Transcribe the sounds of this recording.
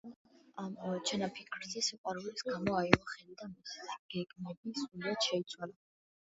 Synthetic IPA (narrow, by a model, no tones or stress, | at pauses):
amt͡ʃʰɛnapʰikʰɾzisiqʼwaɾulisɡamɔaimɔχɛlid̪amisi̥ɡ̥ɛɡmɛbisuliad̪̥ʃɛit̪sʰwala